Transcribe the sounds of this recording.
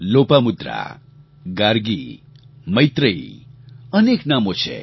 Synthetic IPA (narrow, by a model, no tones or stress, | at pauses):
lopamud̪ra̰ | ɡaɾɡi | mʌjt̪rʌj | ʌneknamot͡sʰḛ